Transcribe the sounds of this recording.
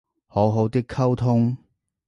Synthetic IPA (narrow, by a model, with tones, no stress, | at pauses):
ho˨˥wɦo˨˧wt̪ɪ˥kʰːɐ˥wt̪ʰʊ˥ŋ